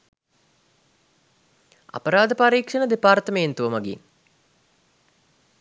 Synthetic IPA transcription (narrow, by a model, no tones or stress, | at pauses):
a̰pəɾaːd̪əpaɾiːkʂənəd̪epaːrt̪əment̪uʋəmaɡḭn